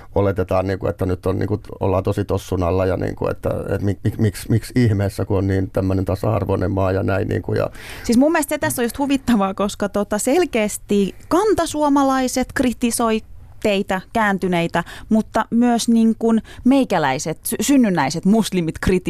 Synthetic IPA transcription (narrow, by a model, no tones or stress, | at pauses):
olet̪et̪ɑːnniːŋkuḛt̪ːænyt̪ːonnḭŋkuo̰lːɑːt̪osit̪osːunɑlːɑjɑnḭːŋkṵḛt̪ːæ̰ḛt̪mimikmiksmiksihmeːsːækuonniːnt̪æmːønent̪ɑsɑ̰ɑ̰rʋonemmɑːjɑnæinnʔḭːŋkujɑ̰siːsmumːest̪set̪æsːojust̪huʋit̪ːɑʋɑːkoskɑt̪ot̪ɑselkeːst̪iːkɑnt̪ɑsuomɑlɑiset̪krit̪isoit̪eit̪ækæːnt̪yneit̪æmut̪ːɑmyøsniŋkunmeikælæiset̪synːynːæiset̪muslimit̪krit̪i